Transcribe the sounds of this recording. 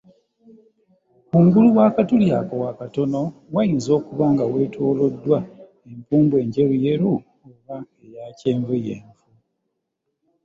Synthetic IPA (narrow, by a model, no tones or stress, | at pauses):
uŋɡuluwaːkatulja̰kowakato̞no̞wajiːnzo̞ːkuβaːŋɡawe̞ːtʰoːlo̞dːwa | empuːmbwe̞ːɲɟe̞ɾuje̞ɾu | oβaejaceːɱvujḛːɱvu